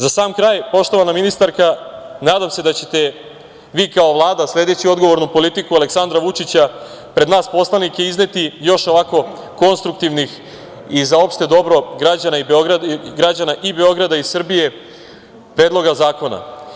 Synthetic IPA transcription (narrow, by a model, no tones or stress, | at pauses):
zasaːmkɾaːjpo̞ʃt̪oʋanaminist̪aɾkanaːd̪amse̞d̪at͡ɕe̞t̪e̞ | ʋiːkaoʋlˠaːd̪aslʲe̞d̪e̞t͡ɕio̞d̪ɡo̞ʋo̞ɾnupo̞lit̪ikuale̞ksand̪ɾaʋut͡ʃit͡ɕa | pɾed̪naːspo̞slˠanike̞izne̞t̪ijo̞ʃo̞ʋako̞ | ko̞nst̪ɾuk̚t̪iʋnix | izao̞pʃt̪ed̪o̞bɾo̞ɡɾad͡ʑanaibeoɡɾaɡɾad͡ʑanaʔibe̞o̞ɡɾad̪aisr̩bije̞ | pɾe̞ːd̪lˠo̞ɡazaːko̞na̰